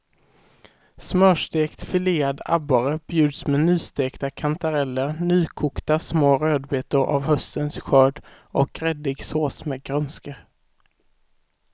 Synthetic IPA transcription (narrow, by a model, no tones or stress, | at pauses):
smœːʂt̪eːkt̪fɪleːad̪a̰baɾəb̥jʉ̟ːd̪smɛnyːst̪eːkt̪akʰant̪aɾɛlːəɾnyːkʰuːkt̪asmoːɾøːd̪beːt̪əɾʔa̰vhœst̪ənsɧœːɖ | ɔkʰɾɛd̪ɪɡsoːsmeːɡɾœnskə